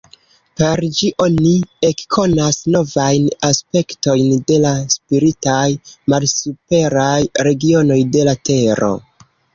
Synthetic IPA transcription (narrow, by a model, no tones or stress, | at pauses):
pe̞ɾd͡ʒiʔo̞nie̞kkʰo̞nasno̞vajnaspe̞kto̞jnde̞laspiɾitajmalsupe̞ɾajɾe̞ɡio̞no̞jde̞late̞ɾo̞̰